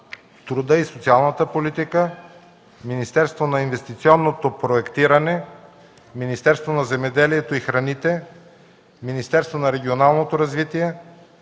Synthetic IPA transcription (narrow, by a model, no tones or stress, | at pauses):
t̪ɾod̪əisot̪sialˠnət̪əpolit̪ikə | minist̪ɛɾst̪vonɐinvɛst̪it̪siɔnːot̪opɾoɛkt̪iɾɐnɛ | minist̪ɛɾst̪vonɐzɛmɛd̪ɛliɛt̪oixɾɐnit̪ɛ | minist̪ɛɾst̪vonɐɾɛɡʲionalˠnot̪oɾɐzvit̪iɛ